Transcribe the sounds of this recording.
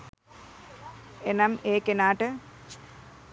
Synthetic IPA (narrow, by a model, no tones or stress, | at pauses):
enɐmeːkenaːʈɨ